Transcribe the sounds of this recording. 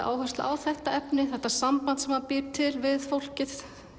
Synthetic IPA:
ʔa̰ːwhœst̪la̰awθɛht̪aɛpnɪθɛht̪asampant̪sɛmapɪːɾt̪ʰːɪlvɪðfowl̥cɪθ

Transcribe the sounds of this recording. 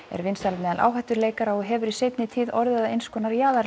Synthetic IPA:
ɛ̰ɾvɪnst̪almɛːðanʔa̰ːwɦaht̪ʏɾleːjkaɾawɔɦɛːvʏɾisejpnɪt̪ʰiːðɔɾðɪðaejnskʰɔnaɾjaːðaɾ

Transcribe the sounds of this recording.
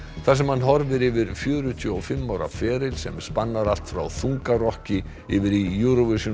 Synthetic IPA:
θasɛmhanːɦɔɾvɪɾɪvɪɾ̥fjœːɾʏt̪ʰjʏɔɣfɪmːawɾa̰fɛːɾɪlsɛmspanːaɾal̥t̪fɾa̰wθuŋkarɔhcɪ | ɪvɪɾijuɾovɪsʏ

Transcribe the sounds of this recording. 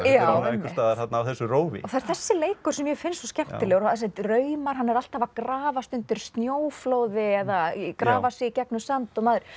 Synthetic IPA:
jawmkt̪aːðaɾ̥θat̪naːwθɛsːʏroːwvɪ̰ɔθaɛɾ̥θɛsːɪleːjkʏɾ̥sɛmjɛfɪnsɔscɛm̥t̪ɪlɛːɣɾaðs̬ɛnt̪rœːɥmaɾ̥ɦanːɛɾal̥t̪havakɾaːvast̪ʏnt̪ʏɾ̥st̪njoːwfloːwðɪɛðakɾaːvasɪicɛknʏsant̪ɔmaːðʏɾ̥

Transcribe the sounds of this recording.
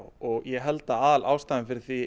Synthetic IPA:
wɔɣjɛɦɛlt̪aaːðalʔaːwst̪aːjðɪmfɪɾɪɾ̥θvi

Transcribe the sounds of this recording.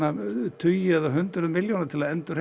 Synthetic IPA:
at̪ʰʏjaðaɦʏnt̪ɾʏmɪljonaɾt̪ʰɪlaðɛnt̪ʏr̥

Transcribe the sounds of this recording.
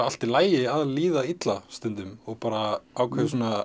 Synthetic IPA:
al̥t̪ɪlaːjɪaðliːðait̪last̪ʏnt̪ʏmɔɣpaːɾaaːwkʰɛvɪsɔːna

